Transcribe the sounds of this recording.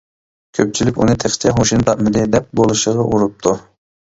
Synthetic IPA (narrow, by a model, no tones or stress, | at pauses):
kʲʰøp̚t͡ʃʰilykʲṵnɨt̪ʰeχt͡ʃʰɛɦoʃint̪ʰɑʔ̪mɨd̪ɪd̪ɛp̚bolˠɨʃəʁɑʔuɾup̚t̪ʰu